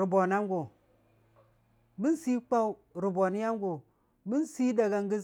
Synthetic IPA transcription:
ɾi˨bo˨na˦ŋɡo˨ | mi˦n˦si˦k͡pa˦w | ɾi˨bo˨ni˦ja˦ŋɡo˨ | mi˦nsi˦da˨ɡa˨ŋɡi˦

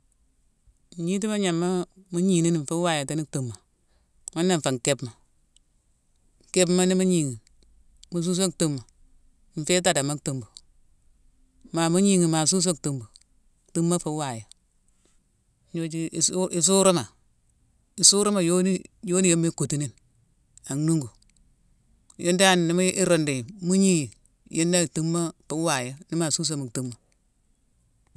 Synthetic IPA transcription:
ɲi˦t̬i˦ma˦ɲa˨mːa˦mu˦ɲi˨ni˦n˨ɱ̩˨fe˦wa˨ja˨ta˦ni˦k̚tu˨mːa˨ | ma˦nːa˨ɱ˨fa˨ŋ˨ke˦bma˨ | ke˦b̬ma˦ni˦mu˦ɲi˨ŋi˨ | mu˨s̬u˦s̬o˦ktu˦mːa˨ | m̩˨fe˦t̬a˦˨da˨ma˦kto˨mbu˨ | ma˨mu˦ɲi˦ŋi˨ma˨s̬u˦s̬o˦ktu˨mbu˨ | tu˦mːa˦fa˦wa˨ja˨˦ | ɲo˦d͡ʒi˦˨sʔi˨s̬u˦ɾo˦ma˨ | i˨su˦ɾu˦ma˨jo˦ni˦jo˦ni˦je˦mːe˦ko˨ti˦ni˦n | a˨ŋnu˦ŋɡu˨ | jʔe˦nda˦˨n˨ni˦ma˦ʔi˦ɾo˨nde˨mu˦ɲi˦j | ji˦nda˦˨tu˦mːa˦fa˨˦wa˨ja˦ni˦ma˨su˦s̬o˦ma˨ktu˦mːa˨

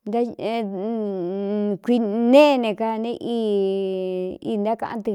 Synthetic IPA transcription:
nd̪a˦ | kʷi˧nẽ˦˧nẽ˨ka˧nẽ˦˧ʔi˦˧ | ḭː˧˦nd̪a˦kã̰˧ʔã˧nt̪ɨ˧

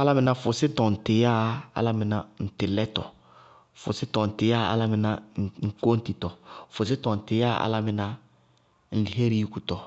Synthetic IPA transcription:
a˦la˦mɪ˨nã˨˦fʊ˨sɪ˦tɔ˨n̩˨tɪ˨ja˦a̰˨la˦mɪ˨na˨n̩˨tɪ˨lɛ˦tɔ̰˨ | fʊ̰˨sɪ˦tɔ˨n̩˨tɪ˨ja˦˨a̰˦la˦mɪ˨na˦˨ŋ̩˨ko˦n̩˦ti˨tɔ˨fʊ˨s̬ɪ˦tɔ˨n̩˨tɪ˨ja˦a̰˨la˦mɪ˨na˦ | n̩˨li˨ɦe˦ɾi˦ji˦ku˨tɔ˨

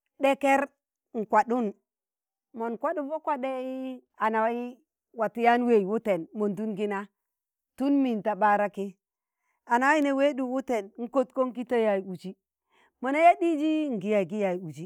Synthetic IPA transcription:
ɗe˦ke˦ɾ | ŋ̩˨kwa˨ɗu˦n | mo˨nkwa˦ɗu˦vo˦kwa˦ɗe˦i˦ | a˨na˨wa˦i˦ | wa˨ti˦ja˦nwe˦˨i˨wu˦te˨nmo˨ndu˦nɡi˦na˦ | tu˦nmi˨nta˨ba˦ɾa˦ki˦ | a˨na˨wa˦i˦ne˨we˦ɗu˨wu˦te˨nŋ̩˦ko˦t̚ko˦ŋ˦ki˦to˦ja˨ju˨d͡ʒi˦ | mo˨na˦ja˦ɗi˦d͡ʒi˦ŋ̩˨ɡi˨˦ja˨i˨ɡi˦ja˨ju˨d͡ʒi˦

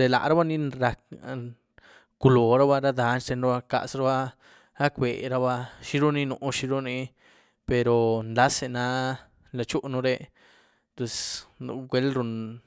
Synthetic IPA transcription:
d̪e˨la̰˨ʔɾa˦ba˦nĩ˧ɾa˧k | ku˧lo˨ɾa˦βa˧ɾa˦d̪a˧˦nʃt̪e˧nɾa˧ba˧ka̰˧ʔsɾa˦βa˦ | ɾa˦kbe˨ɾa˧βa˧ʃi˦ɾu˦nĩ˧nũ˧ʔʃi˧ɾu˦nĩ˧ | pe˧ɾo˨nla˦se˧˨na˧˦ | la˧t͡ʃu˦ʔnũ˧ɾe˧ | t̪e˧sɡʷe˧˦lɾu˧n

